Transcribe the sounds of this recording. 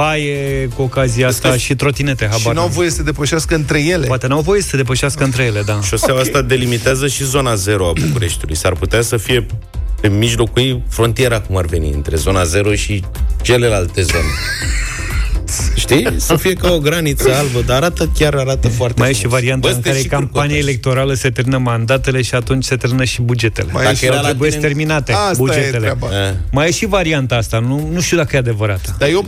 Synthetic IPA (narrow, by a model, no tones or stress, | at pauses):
ajekuokazieast̪aʃit̪ɾo̞t̪inet̪e̞ɦabanuawvo̞je̞səed̪e̞pəʃaskəɨnt̪ɾe̞je̞lepwat̪e̞nuawvo̞jesə̥sed̪e̞pəʃaskəɨnt̪ɾe̞jele̞d̪aʃoseawast̪ad̪e̞limit̪eazəʃizo̞naze̞ɾoabukuɾe̞ʃt̪ulṵjsarput̪easəfije̞ | pe̞miʒlo̞kujfɾo̞nt̪ije̞ɾakumarve̞nḭɨ̰nt̪ɾe̞̰zo̞naze̞ɾoʃi | t͡ʃe̞le̞lalt̪e̞zo̞ne | ʃt̪isəfije̞kaoɡɾanit̪səalbəd̪aːɾat̪əkʲaɾaɾat̪əfoart̪meajjeʃivaɾiant̪aɨŋk̪aɾekampaniele̞k̚t̪o̞ɾaləset̪eɾminəmand̪at̪e̞le̞ʃiat̪unt͡ʃʲse̞t̪eɾminəʃibud͡ʒe̞t̪e̞̰leajaat̪ɾeebujest̪e̞rminat̪ebud͡ʒee̞lemajeʃivaɾiant̪aast̪anunuʃt̪iud̪akəjead̪e̞vəɾat̪əd̪ajo